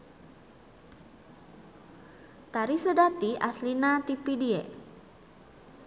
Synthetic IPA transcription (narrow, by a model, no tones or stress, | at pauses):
t̪aɾisədat̪iʔaslinat̪ipidiḛ